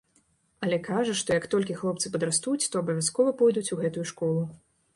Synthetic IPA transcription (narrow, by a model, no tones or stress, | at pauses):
ɐlʲɛkaʐɐʂt̪ɔjɐkt̪ɔlʲkʲixlˠɔpt̪sɨpɐd̪ɾast̪ut͡sʲt̪ɔɐbɐvʲaskɔvɐpɔjd̪ut͡sʲuɣɛt̪ujuʂkɔlˠu